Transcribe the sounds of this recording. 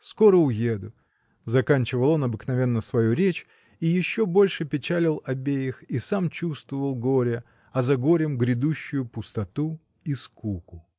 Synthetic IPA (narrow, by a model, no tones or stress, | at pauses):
sko̞ɾəʊjed̪ʊ | zɐkanʲt͡ɕɪvəlˠo̞nɐbɨknɐvʲe̞nːəsvɐjuɾʲet͡ɕ | ijɪɕːo̞bo̞lʲʂɨpʲɪt͡ɕælʲɪlˠɐbʲejɪxisamt͡ɕust̪vəvəlˠɡo̞ɾʲə | ɐzɐɡo̞ɾʲɪmɡɾʲɪd̪uɕːʊjʊpʊst̪ɐt̪u | iskukʊ